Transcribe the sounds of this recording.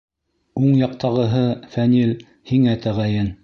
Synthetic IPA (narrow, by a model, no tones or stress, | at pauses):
uɴjɑq̚t̪ɑʁɤ̆ɦɤfænil | hiŋæt̪ʰæʁæjɘn